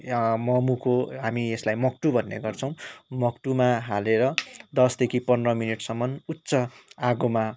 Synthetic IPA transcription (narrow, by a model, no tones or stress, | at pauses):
mʌmukoɦamieslajmʌk̚ʈubʱʌnːḛɡʌrt͡sʰʌw̃mʌkʈumaɦaleɾʌd̪ʌsd̪ekʰipʌndrʌminiʈsʌmːʌnut̪ːsʌaɡoma